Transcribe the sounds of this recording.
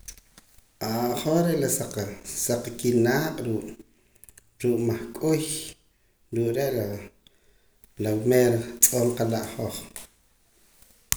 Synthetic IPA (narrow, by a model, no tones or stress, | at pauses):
ʔaʔχoχɾeʔlasaqsaq͡χkinaːqʼɾuːʔ | ɾuːʔʼmaχkʼuj | ɾuːʔɾeʔla | lawmeːɾt͡sʼoːɴqalaʔχoχ